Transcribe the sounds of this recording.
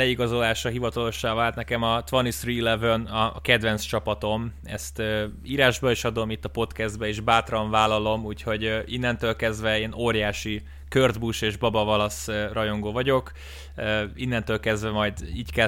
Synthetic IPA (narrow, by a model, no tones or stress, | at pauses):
lɛiɡɒzo̞laːʃɒɦivɒt̪ɒlo̞ʃːaːvaːlt̪nɛkɛmɒt̪ʋɒnisriːlɛvønɒkɛd̪vɛnst͡ʃɒpɒt̪o̞m | ɛ̰st̪ø | iːɾaːʒbɒeːʃɒd̪o̞mit̪ːɒpo̞t̪kɛzd̪̚bɛeːʒbaːt̪rɒɱvaːlːɒlo̞muːcho̞ɟinːɛnt̪øːlkɛzd̪vɛeːnoːrjaːʃi | kørd̪buʃeːʒbɒbɒvɒlɒsrɒjo̞ŋɡoːvɒɟo̞k | øinːɛnt̪øːlkɛzd̪vɛmɒjd̪iːckɛ